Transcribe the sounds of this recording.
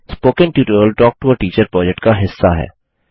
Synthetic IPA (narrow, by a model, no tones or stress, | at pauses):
spoːkə̃nʈjuːʈəɾəlʈɔːk̚ʈuəʈiːt͡ʃəɾpɾɔːd͡ʒɛk̚ʈkaɦɪsːaɦɛ̰ː